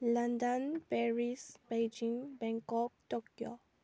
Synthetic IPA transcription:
lãndə̃npɛɹisbed͡ʒĩŋbɛ̃ŋkɔk̚tɔkjo

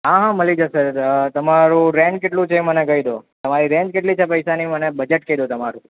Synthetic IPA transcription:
ɦaɦãməlid͡ʒəset̪əmaɾũɾɛ̃ɳʈkeʈlũt͡ʃʰemənekəid̪ot̪əmaɾiɾɛ̃ɳd͡ʒkeʈlit͡ʃʰepəjsanimənebəd͡ʒeʈkəid̪ot̪əmaɾũ

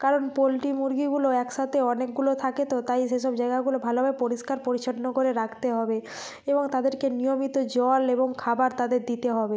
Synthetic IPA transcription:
kaɾonpolʈimuɾɡiɡuloɛkʃat̪ʰeɔnekɡulot̪ʰaket̪ot̪ajʃeʃɔbd͡ʑajɡaɡulobʱalobʱaepoɾiʃkaɾpoɾit͡ɕʰaɾnokoɾeɾakt̪eɦɔbe | eboŋt̪ad̪eɾkenijomit̪od͡ʑɔleboŋkʰabaɾt̪ad̪eɾd̪it̪eɦɔbe

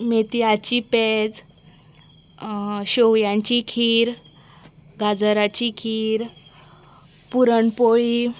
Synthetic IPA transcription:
met̪ijat͡ɕiped͡z | ɕowjãɲt͡ɕikʰiːɾ | ɡad͡zəɾat͡ɕikʰiːɾ | puɾəɳpoi

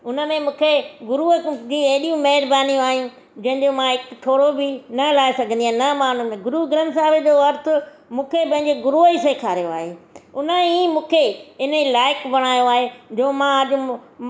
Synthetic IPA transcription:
ʊnə̆mẽmũːkʰeɡʊɾud͡ʑiɐɦɗijũmɐɦɪɾbaːnijũaːɦijũ | d͡ʑɐ̃ɦɪ̃ɲd͡ʑomãɦɪkt̪ʰoːɽobɪnɐlaːesɐɡʱə̃nd̪iaːnɐmaːn̤ʊmẽɡʊɾuɡɪɾənsaːʋed͡ʑoɐɾt̪ʰʊ̆ | mũːkʰepɐ̃ɦɪ̃ɲd͡ʑeɡʊɾuəiseːkʰaːɾijoa̰ːɦeːʊnəẽiːmũːkʰeɪnəilaːɪkbɐɽ̤̃aːjoaːɦed͡ʑoːmãɐʄ

